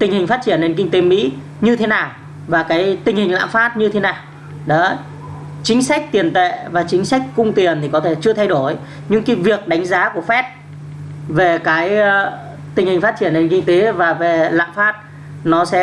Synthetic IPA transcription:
t̪ï˨˩ŋ̟hï˨˩ŋ̟faː˦˥t̚t͡ɕi˧˩ənːe˧nki˧ŋ̟t̪e˨˦mḭ˧˥ | ɲɨ˧t̪ʰe˨˦naː˨˩w | vaː˨˩kaː˨˦jt̪ï˨˩ŋhï˨˩ŋ̟la̰ː˧˨mfaː˦˥t̚ɲɨ˧e˨˦naː˨˩w | ɗɔ˨˦ | t͡ɕï˨˦ŋ̟sa˦˥k̚t̪i˨˩ənt̪ḛ˧˨vaː˨˩t͡ɕï˨˦ŋ̟sa˦˥jk̚kʊ˧wŋ͡mt̪i˨˩ənt̪ʰi˨˩kɔ˨˦t̪ʰe˧˩t͡ɕɨ˧ət̪ʰa˧jɗo˧˩j | ɲɨ̰˧˥ŋkiː˨˦vi˨˩ək̚ɗa˨˦jŋ̟zaː˨˦ku˧˩əfɛ˦˥t̚ | ve˨˩kaː˨˦j | t̪ï˨˩ŋ̟hi˨˩ŋ̟faː˦˥t͡ɕi˧˩ənːe˧nkï˧ŋ̟t̪e˨˦vaː˨˩ve˨˩la̰ː˧˨mfaː˦˥t̚ | nɔ˨˦sɛ̰˧˥

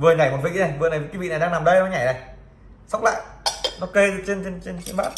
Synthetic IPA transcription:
vɨ˨˩əŋa˨˧˩jmo˨˩ḭ˧˥˦na˨˩jvɨ˨˩əna˨˩jkwi˧˦vḭ˧˨na˨˩jɗaː˧ŋnaː˨˩mɗə˧jɔ˧˦ɲa˧˩na˨˩j | sa˦˥wk͡p̚la̰ː˧˨jnɔ˧˦ke˧t͡ɕe˧nt͡ɕe˧nt͡ɕe˧nt͡ɕḭ˧˦nɓaː˦˥t

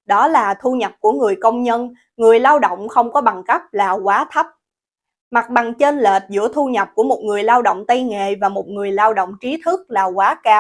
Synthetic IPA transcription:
ɗɔ˨˦laː˨˩t̪ʰu˧ɲə˨˩p̚ku˧˩əŋɨ˨˩əjkə˧wŋ͡mɲə˧n | ŋɨ˨˩əjlaː˧wɗo̰˧˨wŋ͡mxə˧wŋ͡mkɔ˨˦ɓa˨˩ŋka˦˥p̚laː˨˩kwaː˨˦t̪ʰə˦˥p̚ | ma˨˩t̚ɓa˨˩ŋt͡ɕe˧nle˨˩t̚zɨ̰˧˥ət̪ʰu˧ɲə˨˩p̚ku˧˩əmo˨˩t̚ŋɨ˨˩əjlaː˧wɗo̰˧˨wŋ͡mt̪ə˧jŋḛ˧˨vaː˨˩mo˨˩t̚ŋɨ˨˩əjlaː˧wɗo̰˧˨wŋ͡mt͡ɕi˨˦t̪ʰɨ˦˥k̚laː˨˩kwaː˨˦kaː˧w

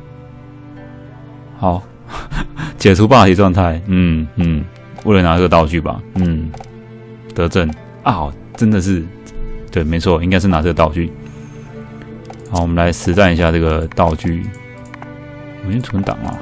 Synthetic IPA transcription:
xa˨˩˦ʊ | t͡ɕjɛ˨˩ʈ͡ʂʰu˦˥pa˥˧t̪ʰi˧˥ʈ͡ʂwɑ˥˧ŋt̪ʰa˥˩ɪn̩˥˩n̩˥˩ | we˧˥ɪlə˧˦na˧˥˩ə˥˩ɡə˩t̪ɑ˥˧ʊt͡ɕy˥˩bɐ̰˨˩n̩˥˩ | t̪ɤ˧˥ʈ͡ʂə˥˩n | a˥˩ | ʈ͡ʂə˦˥nd̪ə˨ʂ̬ɻ̩˥˧ | t̪we˥˩ɪme˧˥ɪt͡sʰwɔ˥˩i˥ŋka˥ɪʂ̬ɻ̩˥˩na˧˥ʈ͡ʂə˥˧ɡə˩t̪ɑ˥˧ʊt͡ɕy˥˩ | a˥˧˩wɔ˨˩mə˦nla˧˦ɪʂɻ̩˧˥t͡sa˥˩ni˧˥ɕja˥˧ʈ͡ʂɤ˥˩ɡə˩t̪ɑ˥˧ʊt͡ɕy˥˩˨ | me˥t͡sʰwə˧˦nt̪ɑ̰˨˩ŋɐ̰˨˦

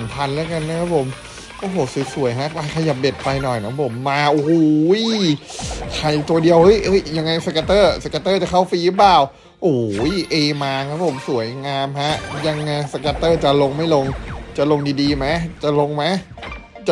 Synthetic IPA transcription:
mp̪ʰa˧nlɛː˦˥˦ka˧nːa˦˥kʰa˦˥pʰo˨˩˦m | ʔoː˧˩ɦoː˨˩su˨˩˦su˨˩˦jɦa˦˥ʔpa˧jkʰa˧ja˨˩p̚de˨˩t̪̚pa˧jnɔ˨˩jkʰa˦˥pʰo˨˩˦mːaː˧ʔo˧˦˧j | kʰa˨˩jt̪u˧ɐdi˧ə˧whɤ˦˥jʔɤ˦˥jja˧ŋːa˧jsa˧kaː˧t̪ɤː˥˩sa˧kaː˧t̪ɤː˥˩t͡ɕa˨˩kʰa˥˩wfiː˧lɯ˦˥plaː˨˩w | ʔoː˨˩˦jʔeː˧maː˧kʰa˦˥pʰo˨˩˦msu˨˩˦jŋaː˧mɦa˦˥ʔja˧ŋːa˧sa˧kaː˧t̪ɤː˥˩t͡ɕa˨˩lo˧ŋma˥˩jlo˧ŋt͡ɕa˨˩lo˧ŋdiː˧diː˧ma˦˥jt͡ɕa˨˩lo˧ŋma˦˥j | t͡ɕa˨˩

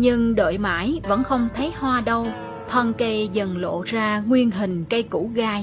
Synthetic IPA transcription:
ɲɨ˧ŋɗoə̰˧˨jma̰ː˧˩jvə̰˧˥nxə˧wŋ͡mt̪ʰə˨˦jhwaː˧ɗə˧w | t̪ʰwaː˧nke˧zə˨˩nlo̰˧˨zaː˧ŋwi˧ənɦï˨˩ŋ̟kə˧jkṵ˧˥ɣaː˧j

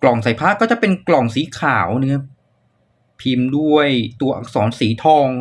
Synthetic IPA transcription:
klɔ˨˩ŋsaː˨˩˦jpʰaː˦˥˩kɔː˥˩t͡ɕa˨˩pe˧nklɔ˨˩ŋsiː˩˦kʰaː˩˦wnɯ˥˧˩kʰa˦˥p̚ | pʰi˧mdu˥˩əjt̪u˧ɐʔa̰ː˨˧˩k̚sɔː˩˦nsiː˩˦t̪ʰɔː˧ŋ

